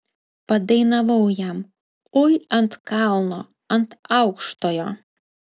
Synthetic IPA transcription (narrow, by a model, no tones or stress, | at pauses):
pɐd̪ɐɪnɐʋɐʊjɛm | ʊjɐnt̪kɑlˠnoː | ɐnt̪ɐʊkʃt̪oːjoː